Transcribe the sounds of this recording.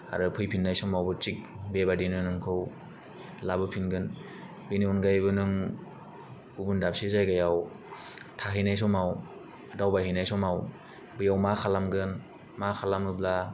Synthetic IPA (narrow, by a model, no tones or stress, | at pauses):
a̰ɾɯpʰɯjpʰinːajsɔmawbɯt͡ʃik̚bebadenɯnɯŋkʰɯw | labɯpʰinɡɯn | beniɔnɡajbɯnɯŋ | ubɯndap̚sizajɡajaw | tʰaɦɯjnajs̬ɔmaw | dawbaɦɯjnajsɔmaw | bɯjawmakʰalamɡɯn | makʰalamɯbla